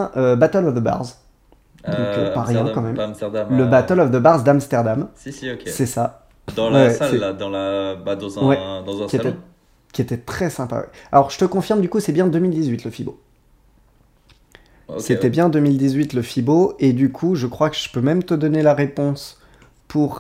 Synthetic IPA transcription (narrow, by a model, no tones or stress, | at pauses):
ɛ̃ʔøbat̪ɛlɔvd̪əba̰ʁz | d̪ɔ̃kø̰paʁjɛ̃kɑ̃mɛmmt̪ɛd̪ləbat̪əlɔvd̪əbaʁzd̪amst̪ɛʁd̪amsɛsa | d̪̃wɛwɛɛd̪̃lbad̪̃wɛd̪̃kiet̪ɛ | kʲiet̪ɛt̪χɛsɛ̃pa̰wɛ̰a̰lɔʁʒət̪əkɔ̃fiʁmd̪ykusɛbjɛ̃d̪ømild̪izɥit̪ləfibo̰ | set̪ɛbjɛ̃d̪əmild̪izɥit̪ləfiboed̪ykʰuʒəkχwakəʒ̥ə̥pømɛmt̪əd̪ɔnelaʁepɔ̃s | pʰuʁ